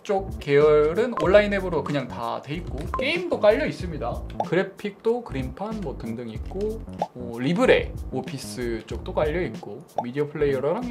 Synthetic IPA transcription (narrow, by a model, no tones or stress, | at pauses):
t͡ɕ͈ok̚k͈e̞jʌɾɯnoɭːaine̞bɯɾokɯɲaŋta̰twe̞it̚k͈ok͈eimdok͈aʎːʌis͈ɯmɲidakɯɾe̞pʰik̚t͈okɯɾimpʰanmwʌtɯŋdɯŋik̚k͈omʌɾibɯɾe̞̰opʰis͈ʰɯt͡ɕ͈ok̚t͈ok͈aʎːʌit̚k͈omidiʌpʰɯɭːe̞ijʌɾʌɾaŋ